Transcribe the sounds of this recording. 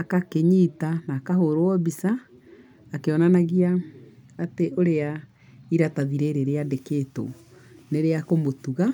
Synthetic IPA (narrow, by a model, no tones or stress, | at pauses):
akakeɲiːtanakaɦoɾowɔbisaː | keɔnanaɣiaː | teʔoɾea | iɾataðiɾeɾeɾeadeketo̰ | neɾeakomotuɣa